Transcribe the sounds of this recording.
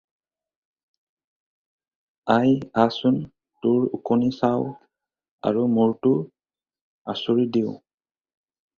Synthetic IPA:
ajasʊn | tʊɹṵkonisaw | a̰ɹumuɹtʊ | a̰suɹidiʊ

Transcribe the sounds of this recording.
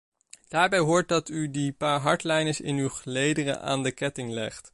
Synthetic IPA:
d̥aːɹbɛjɦʊːɹt̚dɑtydipaːɹɦɑɹtlɛjnəsɪ̰nywχəlejdərə̰ʔa̰ːndəkɛtɪŋlɛ̰χt

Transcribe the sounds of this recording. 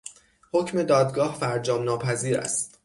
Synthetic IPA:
ho̞cʰme̞d̪ɒːd̪ɡɒːhfæɾd͡ʒɒːmnɒːpʰæziːɾæ̰st̪

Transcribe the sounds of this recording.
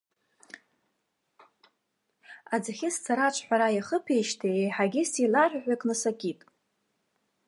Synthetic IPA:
ad͡zaχʲɪst͡sʰaɾat͡ʃʷʰħʷᶣaɾajaχəpʰejʃtʰeejħaɡʲɪsilaʒʷᶣħʷᶣakʼnɨsakʲʼitʼ

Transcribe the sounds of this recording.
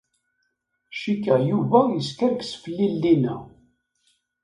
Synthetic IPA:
ʃikːæjuvæjəskəɾksfəlːilːinæ

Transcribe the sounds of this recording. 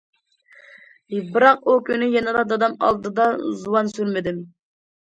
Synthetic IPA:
bɨɾɑqukʲynɪjɛnɨd̪ɑd̪ɑd̪ɑmɑ̰lˠd̪ɨd̪ɑzuwɑnsyɾmɪd̪ɪm

